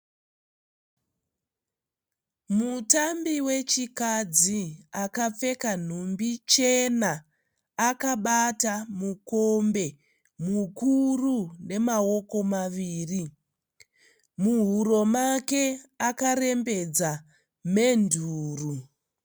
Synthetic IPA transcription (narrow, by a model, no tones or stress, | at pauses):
mutambiwe̞t͡ʃikad͡ziakap͡fe̞kan̤umbit͡ʃe̞naː | kaɓatamukombe̞ | mukurune̞mao̞ko̞maʋiːri | muɦuɾo̞make̞akare̞mbe̞d͡za | me̞ndʱuːru